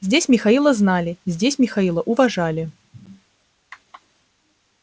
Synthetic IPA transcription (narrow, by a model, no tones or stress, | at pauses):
zʲdʲesʲmʲɪxɐilˠəznalʲɪzʲdʲesʲmʲɪxɐilˠəʔʊvɐʐalʲɪ